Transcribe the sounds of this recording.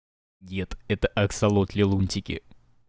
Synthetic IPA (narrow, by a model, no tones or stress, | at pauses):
ɡʲet̪ɛt̪əʔɐksɐlˠot̪lʲɪlˠunʲt̪ʲɪkʲɪ̰